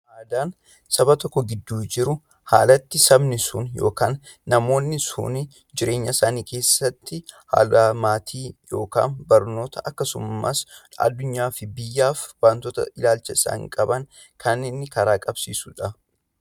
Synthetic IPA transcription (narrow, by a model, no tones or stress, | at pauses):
maːd̪aːn | sɐbɐt̪ɔkːɔɡɪd̪ːuːd͡ʒɪɾʊ | ha̰ːlɐt̪ːɪsɐbnɪsʊnjo̞̰ːkaːnː | ɐmo̞ːnːɪsʊ̰nɪ | d͡ʒɪɾe̞ːɲːɐsaːniːke̞ːsːɐt̪ːɪha̰ːlɐmaːt̪ʰiːjo̞ːka̰ːnbɐɾno̞ːt̪ʰɐʔɐkːɐsʊmːɐ̰sɐ̰d̪ːʊɲːaːfɪbɪjːaːfwaːnt̪ɔt̪ɐ̰ʔɪlaːlt͡ʃɐɪsa̰ːŋkʼɐbɐŋ | kʰɐnːeːnːɪkɐɾaːkʼɐbsḭːsʊᶑɐ